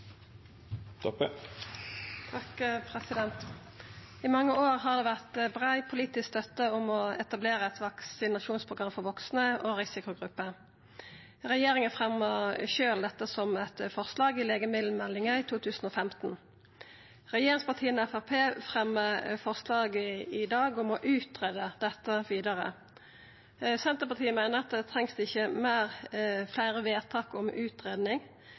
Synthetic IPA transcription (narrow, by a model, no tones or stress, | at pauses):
t̪ʰɔpə | t̪ʰɑkpʰʁɛsɪd̪ɛnt̪ | ɪmɑŋːəoːʁɦɑd̪eːʋæʁt̪bʁæɪpʰʊliːt̪ɪskst̪œt̪ːəʊmɔɛt̪ɑbleːʁəɛt̪ʋɑksɪnɑʃuːnspʰʁʊɡʁɑmfɔʁʋɔksnəʔoːʁɪsɪkʊɡʁʉpːə | ʁɛjeːʁɪŋəfʁɛməʁʃøːld̪ɛt̪ːəsɔmɛt̪fɔʁslɑːɡɪleːɡəmɪd̪l̩mɛlːɪŋɑɪt̪ʰuːt̪ʰʉːsn̩ɔːfɛmt̪n̩ | ʁɛjeːʁɪŋspɑt̪ʰiːənɔɛfæpʰeːfʁɛmːəʁfɔʁslɑːɡəɪd̪ɑːɡɔmɔʔʉːt̪ʁeːd̪əd̪̥ɛt̪ːəʋiːd̪ɑʁə̰ | sɛnt̪əpɑt̪ʰiːəmɛɪnəʁɑt̪̚d̪ɛt̪ʰʁɛŋsd̪ɪçəmæɪʁflæɪʁəʋeːt̪ʰɑːkɔmʉːt̪ʁeːd̪nɪŋ